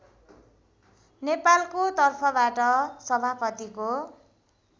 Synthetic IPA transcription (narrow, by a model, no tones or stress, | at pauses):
nepalkot̪ʌrpʰʌbaʈʌsʌbʱapʌt̪iko